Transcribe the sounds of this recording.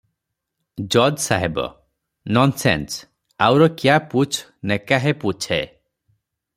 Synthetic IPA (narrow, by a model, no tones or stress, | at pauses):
d͡ʒɔd͡ʒsaɦebɔ̰ | nɔnsḛns | awɾɔkjaput͡ʃʰnekaɦeput͡ʃʰe